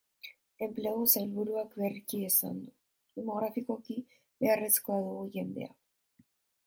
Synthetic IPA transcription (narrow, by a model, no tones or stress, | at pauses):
e̞mpleɣo̞sajlβuɾuakβerkiesa̰nd̪u | ðemo̞ɣɾafiko̞ki | βe̞are̞sko̞aðuɣuʝe̞nd̪e̞a̰